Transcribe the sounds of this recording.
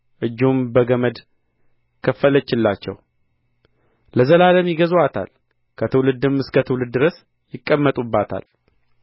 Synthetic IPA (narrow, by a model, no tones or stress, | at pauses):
ʔɨd͡ʒːumbəɡəməd̪ | kʰəfːələt͡ʃːɪlːat͡ʃːɛ̰w | ləzəlaləmjɪɡəzwat̪ʰa̰l | kʰət̪ʰɨwlɨd̪ɨmɨskʰət̪ʰɨwlɨd̪ːɨɾəs | jɪkʼːəmːət̪ʼubːat̪ʰa̰l